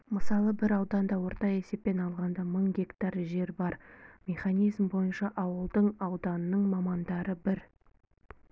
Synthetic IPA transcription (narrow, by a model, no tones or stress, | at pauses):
məsɑlˠəbɪɾɑwd̪ɑnd̪ɑwo̞ɾt̪ɑe̞se̞p̚pːe̞nɑlˠʁɑnd̪ɑməɴɡʲe̞kt̪ɑɾʒe̞ɾbɑɾmʲe̞χanijzmbo̞jənʃɑʔɑwəlˠd̪əɴɑwd̪ɑnənəɴmɑmɑnd̪ɑɾəbɪɾ